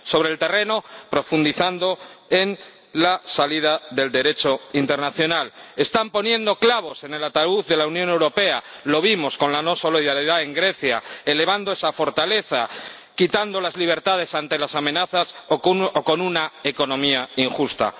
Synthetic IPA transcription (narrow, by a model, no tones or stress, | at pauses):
so̞βɾelt̪e̞re̞no̞pɾo̞fund̪iθand̪o̞e̞n | lasaliðaðe̞ld̪e̞ɾe̞t͡ʃo̞int̪e̞ɾnaθjo̞nale̞st̪ampo̞njẽ̞nd̪o̞klaβ̞o̞se̞ne̞lat̪auθðe̞launjone̞wɾo̞pe̞alo̞β̞imo̞sko̞nlano̞so̞liðaɾiðae̞ŋɡɾe̞θjaele̞β̞and̪oe̞safo̞ɾt̪ale̞θa | kit̪and̪o̞lazliβ̞e̞ɾt̪að̞e̞sant̪e̞lasamẽ̞naθasoko̞nunaeko̞nõ̞miaiŋxust̪a̰